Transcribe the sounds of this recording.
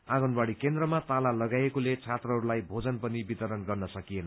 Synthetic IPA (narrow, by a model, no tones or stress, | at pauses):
aɡʌnbaɽikend̪rʌmat̪alalʌɡajekolet͡sʰat̪rʌɦʌɾulajbʱod͡zʌnpʌnibit̪ʌɾʌnɡʌrnʌsʌkienʌ